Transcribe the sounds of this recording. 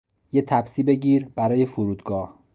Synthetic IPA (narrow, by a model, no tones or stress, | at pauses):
jet̪ʰæbsiːbe̞ɟiːɾb̥æɾɒːje̞foɾuːd̪ɡɒːh